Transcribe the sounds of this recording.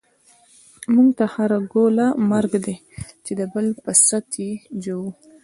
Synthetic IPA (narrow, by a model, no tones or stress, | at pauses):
muŋɡt̪ahaɾaɡolamaɾɡd̪e | t͡ʃed̪əbəlpəsat̪jed͡ʒowu